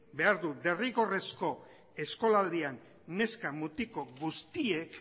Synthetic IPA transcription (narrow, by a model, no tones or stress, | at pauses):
be̞aɾðud̪e̞riɣo̞re̞sko̞ | e̞sko̞lald̪ianː | e̞skamut̪iko̞ɣust̪ie̞k